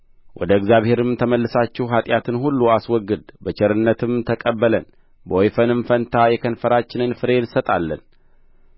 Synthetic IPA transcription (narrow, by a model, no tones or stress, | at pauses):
wʔɔd̪əɨɡzjaβhe̞ɾɨmt̪ʰəməlːɨsat͡ʃːɪhɦat̪ʼjat̪ʰɨnhulːuaswɔɡːɨd̪bət͡ʃʰɛɾɨnːət̪ʰɨmt̪ʰəkʼəbːələn | bəojfənɨmfənt̪ʰajɛkʰənfəɾat͡ʃːɪnɨnfɨɾensət̪ʼalːə̰n